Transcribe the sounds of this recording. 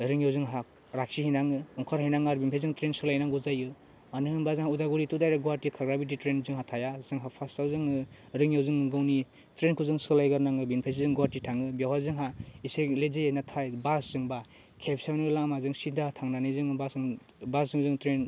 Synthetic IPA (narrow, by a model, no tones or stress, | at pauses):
ɾɯŋjawzɯŋɦak̚ | ɾak̚sihinaŋɯɔŋkʰaɾɦajnaŋaɾbinpʰejzɯŋtɾensɯlajnaŋɡuzajɯ | manɯɯnbazɯŋɦaudaɡuɾitudajɾaɡuwaɾtikʰaɡɾabit̬itɾenzɯŋɦatʰajazɯŋɦapʰasawzɯŋɯ | ɾɯŋjawzɯŋɯɡawni | tɾenkʰuzɯŋsɯlajɡaɾnaŋɯbinpʰajs̬izɯŋɡwaɾtitʰaŋɯbjawɦazɯŋɦaiselezejnatʰajbaszɯŋba | kʰepʰsawnɯlaŋmazɯŋsidatʰaŋnanijzɯŋbasɯŋ | bas̬zɯŋzɯŋtɾen